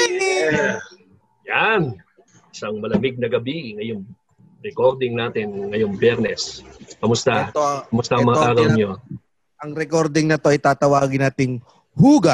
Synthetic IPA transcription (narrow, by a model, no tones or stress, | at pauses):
jan | sɐŋmɐlɐmɪɡ̚nɐɡɐbiŋɐjoŋ | ɾɛko̞ɾd̪ɪŋnaːt̪ɪnŋɐjoŋbjɛɾnɛskɐmʊst̪at̪okɐmʊst̪aʔɐŋmɐŋaʔaːɡɐwɲo | ʔɐŋɾɛkoɾd̪ɪŋnɐt̪o̞ʔɐjt̪aːt̪ɐwaːɡɪnaːt̪ɪŋ | huːɡɐ